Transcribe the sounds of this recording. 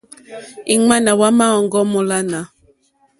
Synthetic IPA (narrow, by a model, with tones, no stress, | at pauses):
i˨ŋ͡ma˦na˨wa˦ma˦ɔ˨ŋɡɔ˦mɔ˨la˦na˨